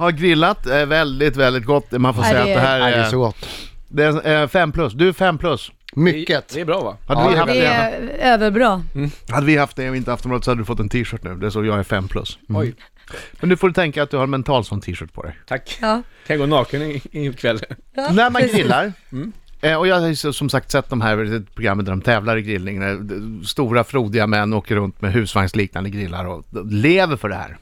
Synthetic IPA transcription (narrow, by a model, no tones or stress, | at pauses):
haɾɡɾɪlːat̪ævɛld̪ɪt̪vɛld̪ɪt̪̚ɡɔt̪ːmanfoːɾsɛjːad̪ɛɦæːɾɔɡɔt̪ːd̪ɛæfɛmːpʰlɵsːd̪ɵæɾfɛmːpʰlɵs | mʏːət̪ɛbɾɑːva̰had̪ːəɪhafɛøːvəɾbɾɑːhad̪ːəvɪhaft̪̚d̪ɛɔɪnt̪əaft̪ɔmɾɑːd̪sɔhad̪əd̪ɵfɔt̪ːɛnt̪ʰiːʂœːʈnʉ̟ːd̪ɛʂɔjɑːɡæɾfɛ̰mːpʰlɵ̰sːj | mɛnd̪ɵfoːɖɵt̪ʰɛŋkaːt̪̚d̪ɵhaɾnmɛnt̪ʰɑːlt̪sɔnːt̪ʰiːʂœːʈ̚pʰɔ̰d̪ɛ̰jt̪ʰakːkʰanaɡoːnɑːkənɪɪkʰvɛlːə | næɾmanɡɾɪlːaɾ | ɔjɑːajssɔmsak̚t̪sɛt̪̚ːd̪ɔmɦæɾɛt̪pʰɾʊɡɾamːənd̪æɖɔmt̪ʰɛːvlaɾɪɡɾɪlnɪŋnæst̪uːɾafɾuːd̪ɪɡamɛnːoːkəɾɵnt̪mɛɦʉ̟ːsvaŋsliːkna̰nd̪əɡɾɪlːa̰ɾɔleːvəɾfœɖɛhæ̰ːɾ